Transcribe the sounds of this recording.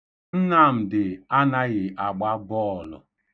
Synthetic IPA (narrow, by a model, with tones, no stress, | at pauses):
n̩˦na˦˨m̩˨dɪ˨a˦na˦ɣɪ˨ʔa˨ɡ͡ba˦bɔ˦˨lɔ̰˨